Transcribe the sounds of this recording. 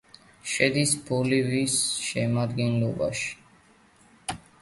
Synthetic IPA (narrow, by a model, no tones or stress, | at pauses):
ʃɛd̪isbulivisʃɛmad̪ɡɛnlɔba̰ʃi̥